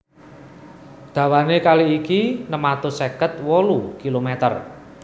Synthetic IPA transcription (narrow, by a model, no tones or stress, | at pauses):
d̪̥ä̤wanekaliːkinəmat̪osekət̪̚wɔlukilomet̪ə̰r